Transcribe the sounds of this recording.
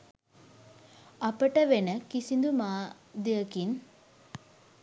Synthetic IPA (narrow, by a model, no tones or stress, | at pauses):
ɐpɐʈɐʋenɐkisind̪umaː | d̪eɐkin